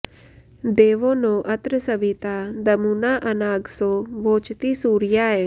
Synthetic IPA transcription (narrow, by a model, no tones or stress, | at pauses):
d̪eːʋonõːʔɐt̪ɾəsəʋit̪ad̪ɐmuːnaːʔɐnaːɡsoːʋoːt͡ʃt̪isuːɾjaːe